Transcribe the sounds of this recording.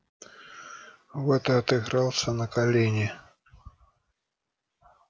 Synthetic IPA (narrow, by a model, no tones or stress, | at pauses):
vɛt̪ɐɐt̪ɨɣɾɑlˠsʲɐnɐkalʲenʲɪ